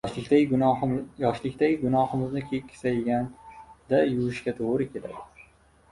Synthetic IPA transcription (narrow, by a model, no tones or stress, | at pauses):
ɪa | jɒʃlɪkʲt̪aɡʊnɒhɪmɪznɪkʲʰekʲːsajɡʲand̪̥ajʊwʊʃkʲat̪ʰoʁɾɪkʲʰe̞la̰d̪ɪ